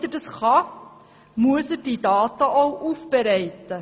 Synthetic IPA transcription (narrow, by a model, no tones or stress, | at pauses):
dərdəsχɑ | muəsədidɑːtɐʔɔwʔufbəɾɛjtə